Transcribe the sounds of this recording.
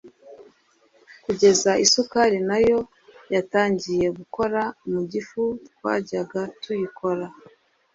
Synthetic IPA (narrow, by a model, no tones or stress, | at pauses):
kuɟe̞zaisukaɾinajo̞ | jataːɲɟije̞ɡuko̞ɾamuɟifukwa̰ːɟaɡatujikʰo̞ɾa